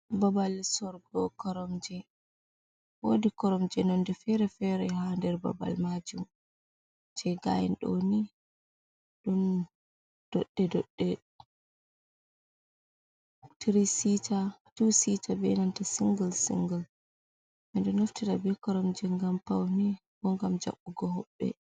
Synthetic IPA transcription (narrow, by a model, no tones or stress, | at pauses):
babalsɔɾɡɔkɔɾɔmd͡ʒɛ | wodikɔɾɔmd͡ʒɛnɔndɛfɛɾɛfɛɾɛhandɛɾba̰ba̰lmad͡ʒum | d͡ʒɛɡa̰jɛ̰nɗo̰ni | ɗun | d̥ɔɗːɛdɔɗːɛ | tiɾisitatusitʰabɛnantasiŋɡəlsḭŋɡal | ʔɛndɔnoftiɗabɛkɔɾɔmd͡ʒɛŋɡampawni | bɔŋɡamd͡ʒa̰ɓːuɡɔhɔɓːɛ̰